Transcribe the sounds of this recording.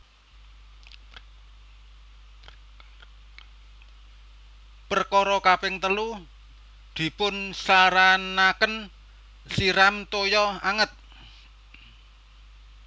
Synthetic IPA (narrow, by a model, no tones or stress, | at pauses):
pərkɔɾɔkapɪŋt̪əlu | d̪̥i̤pʊnsaɾanakən | siɾamt̪ojɔaŋət̪̚